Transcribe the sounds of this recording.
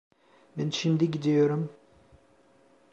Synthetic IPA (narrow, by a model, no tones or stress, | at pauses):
bɛnʃimd̪iɟid̪ijoɾum